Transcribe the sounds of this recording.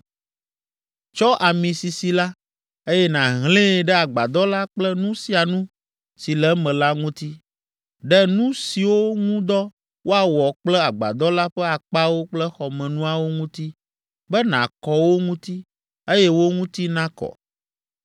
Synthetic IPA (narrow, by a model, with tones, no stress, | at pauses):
t͡ʃɔ˦ʔa˨mĩ˨si˨si˨la˦ | e˦jɛ˦nã˨ɦlẽ˦˨ɖɛ˦a˨ɡ͡ba̰˨d̪ɔ˦la˦k͡plɛ˦nũ˦si˨a˨nũ˦ | si˨lɛ˨˦mɛ̃˨la˦ŋũ˦t̪i˦ | ɖɛ˦nũ˦si˨wo˦ŋũ˦d̪ɔ˦ | wʔo˦a˨wɔ˨k͡plɛ˦a˨ɡ͡ba̰˨d̪ɔ˦la˦ɸɛ˦a˨k͡pa˦wo˦k͡plɛ˦xɔ˨mɛ̃˨nũ˦a˨wo˦ŋũ˦t̪i˦ | bɛ˦nã̰˨kɔ˨wo˦ŋũ˦t̪i˦ | e˦jɛ˦wo˦ŋũ˦t̪i˦nã˦kɔ̰˨